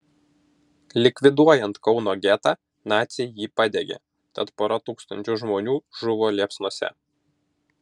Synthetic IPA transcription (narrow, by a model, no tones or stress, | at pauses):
lʲɪkʲʋʲɪd̪uɔjɛnt̪kɒʊnoːɡʲæt̪ɑː | nɑːt̪sʲɪjjiːpɑd̪ʲeɡʲḛː | t̪ɐt̪poːɾɐt̪uːkst̪ɐnʲt͡ʃʲʊʒmoːnʲuːʒʊʋoːlʲiɛpsnuɔsʲɛ̰